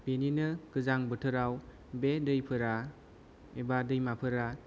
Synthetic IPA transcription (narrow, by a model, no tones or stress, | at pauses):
b̥eninɯkɯzaŋbɯtʰɯɾaw | bedɯjpʰɯɾa | ebadɯjmapʰɯɾa